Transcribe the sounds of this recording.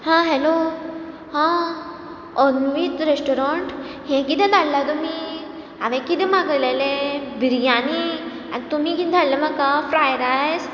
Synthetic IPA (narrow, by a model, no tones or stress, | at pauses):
hãɦɛlo | hã | ɔnʋitɾesʈɔɾɔ̃ɳʈɦɛ̃kid̪ɛ̃d̪allat̪umi | aʋẽkid̪emaɡəlelebʱiɾijani | a̰t̪um̤ikid̪ʱallːeməkːafɾajɾajs